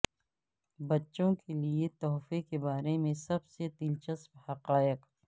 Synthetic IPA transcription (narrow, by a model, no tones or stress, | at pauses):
bɐtːʃõkeliet̪ɔːfekebaːɾemẽsɐbsed̪ɪlt͡ʃɐsphɐqaːɪq